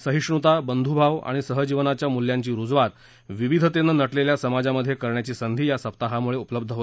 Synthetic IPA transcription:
səɦiʂɳut̪abənd̪ʱubʱaʋa̰ɽ̃isəɦəd͡ʑiʋnat͡ɕjamuljãɲt͡ɕiːɾud͡zʋat̪ | ʋiʋid̪ʱət̪enːənəʈleljasəmad͡zaməd̪ʱjekəɾɳjat͡ɕiːsənd̪ʱiːjasəp̚t̪aɦamuɭeupləb̚d̪ʱəɦo

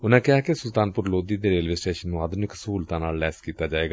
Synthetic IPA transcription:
ʊnẽːkɪɦaːkesʊlt̪aːnpʊɾloːd̪iːd̪eːɾeːlʋeːsʈeːʃənːũːaːd̪nɪksəɦuːlt̪ãːnaːlːɛːskiːt̪aːd͡ʒaːeːɡaː

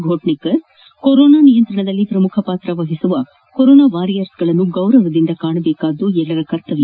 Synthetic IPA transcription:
ɡʱoːʈnikɐs | koɾoːnaːnijɐnt̪ɾɐɳɐd̪ɐlːipɾɐmukʰɐpaːt̪ɾɐʋɐɦisuʋɐ | koɾoːnaːʋaːɾijɐɾsɡɐɭɐnːuɡɐwɾɐʋɐd̪ind̪ɐkaːɳɐbɛːkaːd̪uɛɭːɐɾɐkɐɾt̪ɐʋi

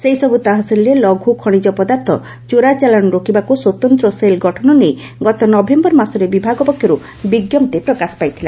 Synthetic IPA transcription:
sejsɔbut̪aɦɔsilɾelɔɡʱukʰɔɽ̃id͡ʒɔpɔd̪aɾt̪ʰɔ̰ | t͡ʃuɾat͡ʃalanɔɾokʰibakuswɔt̪ɔnt̪ɾɔselɡʱɔʈʰɔnɔnej | ɡɔt̪ɔnɔbʱembɔɾmasɔɾebibʱaɡɔpɔkʰjɔɾu | biɡjɔmt̪epɾɔkaspajt̪ʰila

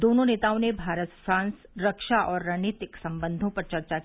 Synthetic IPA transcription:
d̪oːnõneːt̪aːõnebʱaːɾət̪fɾãːnsɾɐkʃaʔɔːɾːaneːt̪ɪksɐ̃mbə̃nd̪ʱõpɐɾt͡ʃɐɾt͡ʃa

